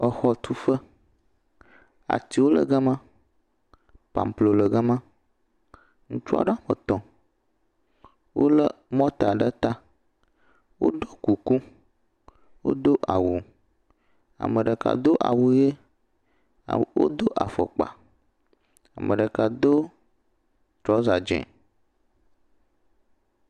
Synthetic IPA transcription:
ə˨xɔ˨t̪ʰu˦fə˦ | a̰˨t̪i˦wo˦lə̰˨ɡə˦mã˦ | pa̰˨m˨plo˨lə˨ɡə˦mã˦ | ŋũ˦t͡ʃu˦a̰˦ɖə˦a˨mə˨t̪ɔ̃˨ | wʔo̰˦lə˦mɔ̃˦t̪a˨ɖə˦t̪a˦ | wo̰˦ɖo˦ku˨ku˦ | wo̰˦d̪o˦ʔa˨wu˨ | a̰˨mə˨ɖə˨ka̰˨d̪o˦ʔa̰˨wu˨je˦˨ | wo̰˦d̪o˦ʔa˨fɔ̰˨k͡pa̰˨ | a˨mə̰˨ɖə˨ka˨d̪o˦ | t̪ɾɔ˦za˨d͡ʒɛ̰̃˨

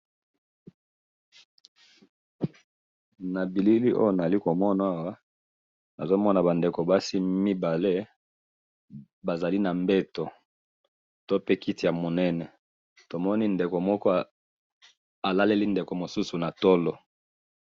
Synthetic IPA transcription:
na˨bi˨li˦li˦ʔo̰˦jo˦˨na˨a˨li˦ko˨mɔ˦na˨˦a˦wa˦ | na˨zo˦mɔ˦na˨ba˨nde˨ko˨ba˦si˦mi˦ba˨le˦ | ba˨za˨li˦na˨mbɛ˦to˨ | to˦pe˦ki˦ti˨ja˨mo˨nɛ˦nɛ˨ | to˨mɔ˦ni˦nde˨ko˨mɔ˦kɔ˦ | a˨la˦le˦li˦nde˨ko˨mo˨su˦su˨na˨to˦lɔ˨

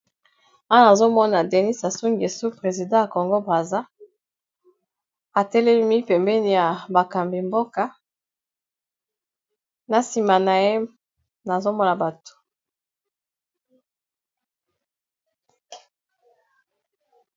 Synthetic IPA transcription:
ã˦na˨zo˦mɔ˦na˨dɛ˨ni˦sa˨su˦ŋɡe˨su˦pʁe˨zi˨dɑ̃˦ja˨kɔ˨ŋɡo˦bʁa˨za˦ | a˨tɛ˦le˦mi˦pɛ˨mbɛ˦ni˦˨ja˨ba˨ka˨mbi˨mbo˦ka˦ | na˨si˨ma˨na˨je˦ | na˨zo˦mɔ˦na˨ba˨tu̥˨

